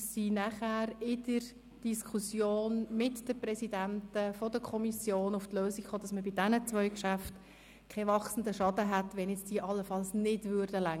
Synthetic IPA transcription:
sinæχæːɾɪd̥əɾ | d̥iskʰusjoːnmɪtd̥əprɛsidæntəfɔdəkʰɔmisjoːnʊftløːsikχoːd̥ɑsməbɪdɛnət͡sʋœʏkʃæft | kʰɛvɑχsn̩dəʃɑdəɦatʋɛnjɛt͡sd̥iːəʔɑlːəfɑlsnɪdvʏːɾdəlæŋ

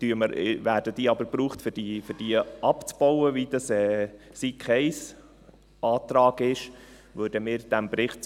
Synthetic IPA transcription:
d̥yəməɾvæːɾdəd̥iːɑbəɾbɾuːχtfɪd̥ifʏd̥iəɑpt͡sb̥ɔwəvid̥ɑsɛːsikχɛɪs | ʔɑːt̪ɾɑːɡɪʃ | vøːɾdəmɪːɾd̥æmbɾɪχt

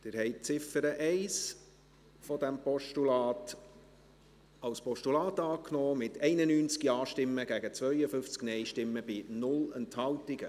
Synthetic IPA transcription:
d̥̪ɪɾhɛɪt͡sɪfəɾəʔɛɪs | fɔd̪æmpɔʃtulɑːt | ɑwspɔʃtulɑːtɑːknɔːmɪtɛɪnənyːnt͡skiɑːʃtɪmːəɡ̥æɡət͡svœʏəfʏft͡sknɛɪʃtɪmːəb̥inʊlɛnthɑltɪɡə̰

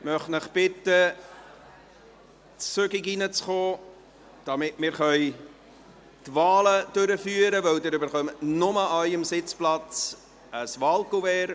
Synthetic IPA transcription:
mœχnəχb̥ɪt̪ːə | tsøɡiɡinət͡sχoː | d̥ɑmɪtmɪːɾχœʏ | tvɑːləd̥øɾəfyːəɾəʋœwd̪əɾybəɾχœmənʊməɑjəmsɪt͡splɑt͡s | əsʋɑlˠkuvɛːɾ

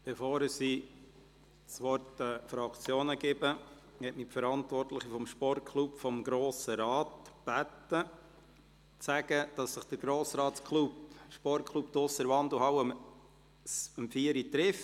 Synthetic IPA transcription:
b̥efoːɾsiː | sʋɔɾtəfɾɑkt͡sjoːnəɡ̥ɪbə | hɛtmipfəɾɑntvɔrtləχifɔmʃpɔrtkʰlupfɔmɡɾoːsəɾɑːtb̥ætə | t͡sæɡ̥əd̥ɑsːəχd̥əɾɡ̥ɾoːsɾɑːskʰlupʃpɔrkʰlˠupt̪ʊsəɾvɑnd̪luɦɑwəm | səmfiəɾit̪ɾɪft

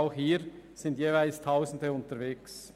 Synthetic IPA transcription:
ʊxhiːɾsɪndjeːvaɪlstʰaʊsn̩dəʊntəveːks

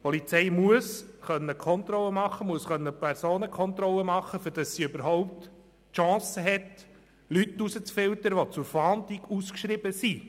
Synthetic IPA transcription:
pɔlit͡sɛɪmuəsχœnːəkʰɔnt̪ɾrɔləmɑχːəmuəsχœnːəpʰɛɾsoːnəkχɔnt̪ɾɔlːəmɑχːəfʏɾd̥ɑsːiøbəɾɦɔʊp̚t̪ | ʃɑ̃ːsəɦɛt | lytːusət͡sfɪlt̪əɾʋɔt͡sʊɾfɑːnt̪iɡuskʃrɪbəsi

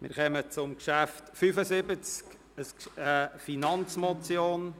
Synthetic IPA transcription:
mɪ̰ːɾχœmət͡sʊmkʃæftfyfəsɪbət͡sk | əsəfinɑnt͡smɔt͡sjoːn

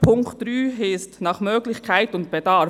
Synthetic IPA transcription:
pʰʊŋktɾyːɦɪstnɑχmøːɡlɪçkʰaɪtʊnt̚b̥ɛdɑ

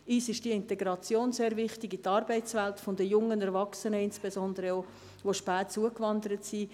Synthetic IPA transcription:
iːsɪʃd̥iəɪntɛɡɾɑt͡sjoːnzeːɾvɪχtɪɡitɑːɾbɛɪt͡svɛltfʊndəjʊŋːənɛɾvɑksənəɪnspezɔndəɾəo | ʋoʃpɛːtt͡suəkvɑndəɾətsiː

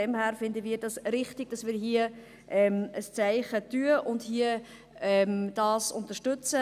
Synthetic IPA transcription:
ɛmhæːɾfɪndəviːɾdɑsɾɪχtɪɡ̥̚d̥ɑsʋiːɾɦiə | ʔɛməst͡sæɪχətyəʔʊndhiə | ɛmd̥ɑːsʊ̰nt̪əɾʃtʏt͡sə

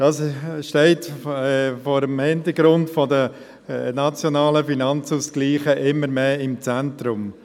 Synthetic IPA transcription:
d̥ɑːsʃtɛɪtɛfɔːɾəmhɪntəɡɾʊntfɔdə | nɑt͡sjonɑːləfinɑnt͡suskliːχəʔɪmːəɾmeːɪmt͡sæntrʊm

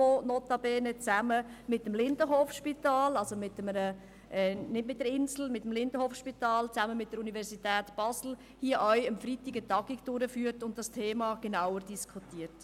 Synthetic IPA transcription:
onoːtɑbɛːnət͡sæməmɪtəmlɪndəɦoːfʃpitɑːlɑlsomɪtəmənə | ʔɛnɪdmɪt̚d̥əɾɪnsl̩mɪtəmlɪndəhofʃpitɑːlt͡sæməmɪt̚d̥əɾunivɛɾsitɛːtb̥ɑsl̩ | hiəʔœʏəmfɾitiɡətɑɡ̥ikd̥ʊɾəfyːəɾtʊnt̚d̥ɑstʰeːmɑɡ̥enawəɾdiskʰutiəɾt

